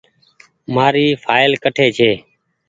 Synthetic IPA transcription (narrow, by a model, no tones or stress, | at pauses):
maːɾiːfʰaːɪlkəʈʰeːt͡ʃʰeː